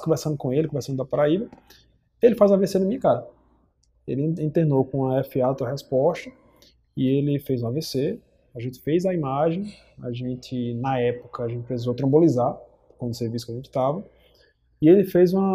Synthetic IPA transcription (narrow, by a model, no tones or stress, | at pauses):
kõvɛɾsɐ̃nd̪ʊkõelɪkõvɛɾsɐ̃d̪ʊd̪ɐpaɾaibɐ | elɪfazũɐvesenɐmĩɐkaɾɐ | ḛlɪĩt̪enowkõɐɛfiat̪ɐɦɛspɔʃt̪ɐ | ɪelɪfejzũɐvese | aʒẽnt̪ɪ̥fejzɐimaʒẽj̃ | a̰ʒẽnt̪ɪnɐɛpʊ̥kɐaʒẽt̪ɪ̥pɾes̬izowt̪ɾɐ̃bolizaɾ | kwɐ̃d̪ʊseɾvisʊkaʒẽnt̪ɪ̥t̪avɐ | ɪelɪfejzũɐ